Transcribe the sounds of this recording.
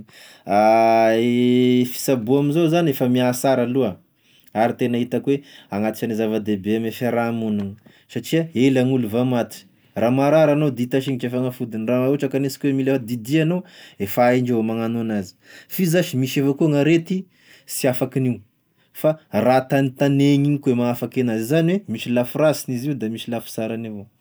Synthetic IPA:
a | fi̥sabuaminzozanefəmiasaɾalua | aɾit̪enaɦit̪akweaŋat̪i̥t͡ʃanizavad̪ebeamefaɾamuniŋi | saʈ͡ʂiaelaŋuluvamat̪i̥ | ramaɾaɾanod̪it̪aʃ̬iŋiʈ͡ʂefaŋafud̪inraauʈ͡ʂakanesi̥kʲwemilefad̪id̪ianoefaeɳɖ͡ʐevmaŋanuanazi̥fizaʃimiʃefakuŋaɾet̪i | siafakiniu | farat̪anit̪aneɲiikuemaafakenazizanwemiʃilafurasiniziud̪amisilafi̥saɾanivo

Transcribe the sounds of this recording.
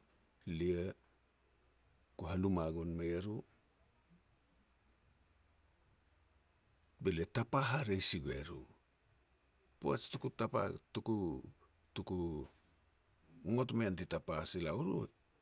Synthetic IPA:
lie | kuɦanumaɡonmeɾu | beletapaɦaɾejsiɡue̞̰ɾṵ | poet͡ʃtukutapa̰tuku | tuku | ŋotmentitapasilauɾṵ

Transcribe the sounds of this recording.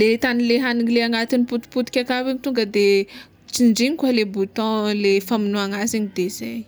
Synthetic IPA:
let̪anileɦaniŋileaŋat̪iniput̪i̥put̪i̥kʲakaviɲit̪uŋɡəd̪e | t͡siɳɖ͡ʐiɲikwalebut̪ɔ̃lefaminuaŋaziɲid̪eizaj

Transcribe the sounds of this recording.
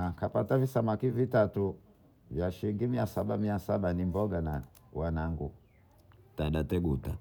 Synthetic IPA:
akapatavisamakivitatu | vjaʃiɾiŋɡimiasaɓamiasaɓanimbɔɡana | wanaŋɡu | taɗatɛɡuta̰

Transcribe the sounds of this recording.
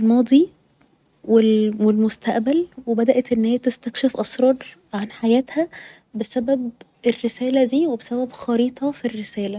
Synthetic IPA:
lmɑːd̪ˤi | welwelmost̪æʔbælwebæd̪æʔæt̪ʔenːheːæt̪est̪ækʃefʔɑsɾˤɑːɾˤ | ʕanħajæːt̪hæ | besæbæb | erːesæːlæd̪iːwebesæbæbxɑɾiːt̪ˤɑfirːesæːlæ

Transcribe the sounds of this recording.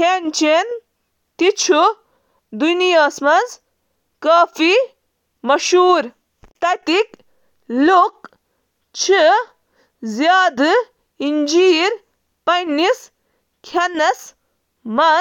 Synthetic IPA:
kent͡ʃen | t̪it͡ʃʰu | d̪unijaːsmɐnz | kaːfʰi | mɐʃuːɾ | t̪ɐt̪ik | luk̚ | t͡ʃʰɨ | zjaːd̪ɨ | ind͡ʒiːɾ | pɐnis | kʰɐnɐs | mɐ

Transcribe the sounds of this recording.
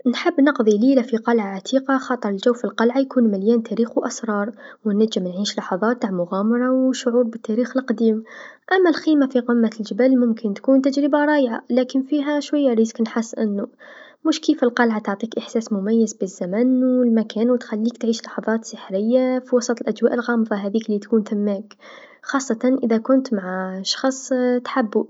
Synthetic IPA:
nħɪbːnɑqðˤiliːlafiqɑlʕaʕat̪ʰiːqɑxɑːt̪ˤɨɾˤəld͡ʒawːfilqɑlʕajkuːnmaljæːnt̪ʰæɾiːxwʔasɾˤɑːɾˤwɪnːæʒːɪmnʕiːʃlɑħɑðˤɑːt̪ːaːʕmʊɣaːmɑɾˤɑwʃːʊʕuːbbɪt̪ːæɾiːxɪlqd̪iːmʔamːalxiːmafiqɪmːald͡ʒɪbælmʊmkɪnt̪kuːnt̪ad͡ʒɾəbaɾˤɑːjʕa̰læːkɪnfiɦaʃwajːaɾiːzknħɪsːʔɪnːʊ | mʊʃkiːfɪlqɑlʕat̪ʊʕt̪ˤiːkʔɪħsæːsmʊmæjːɪzbɪzːamænwɪlmakæːnwɪt̪xalːiːkt̪ʕiːʃlɑħɑðˤɑːt̪sɪħɾɪjːafiwɑsˤɑt̪ˤəlʔæd͡ʒwæːʔɪlɣɑːmðˤɑɦæðiːklit̪kuːnθamːæːk | xɑːsˤːɑt̪ɑnʔɪðakʊnt̪maʕaʃɑ̥xɑsˤt̪ħabːu

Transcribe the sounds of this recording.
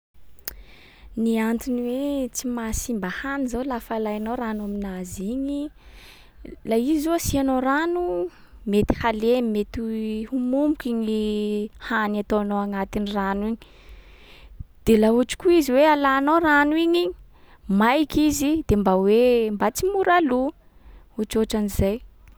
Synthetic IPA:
niant̪inwet͡simasimbahanizawlafalajanoɾanaminaziɲi | laizuasianoɾanu | met̪i̥halenimet̪ihumumbukʲiɲihaniat̪oanoaŋat̪iniranwiɲi̥ | d̪̥elauʈ͡ʂi̥kuiziwealaːnoranuiɲiɲi̥ | majkizid̪̥embawembat͡simuɾalu | uʈ͡ʂoʈ͡ʂanizaj

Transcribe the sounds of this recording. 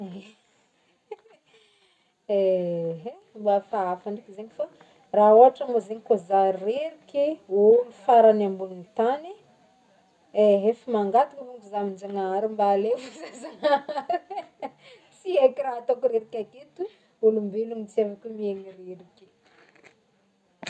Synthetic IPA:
a | eɦe | mbafaafaɳɖ͡ʐikizeɲifa | raoɦaʈ͡ʂəmozeɲikozareɾikʲeulufaɾanambulunit̪ani | eɦefimaŋɡat̪ukəvuŋkuzamind͡ʒaŋaaɾimbaːlefzeza | t͡siekiɾaɦat̪okuɾeɾikʲakit̪u | ulumbelumit͡sevakʲumieŋireɾikʲi̥

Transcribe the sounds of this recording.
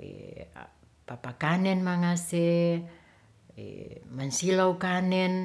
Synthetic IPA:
ḛ | papakanɛnmaŋase | ḛmansilaukanɛn

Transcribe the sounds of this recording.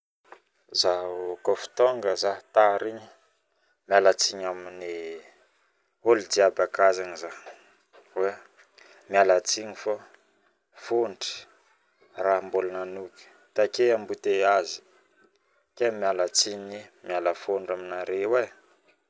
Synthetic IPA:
zakofi̥t̪oŋɡəzat̪aɾiɲi | mialat͡siɲamini | olid̪iabakazaɲiza | we | mialat͡siɲifo | foɳɖ͡ʐə̥ | raɦmbolananukə̥ | t̪akeambut̪eazi̥ | kemialat͡siɲimialafoɳɖ͡ʐaminaɾewe

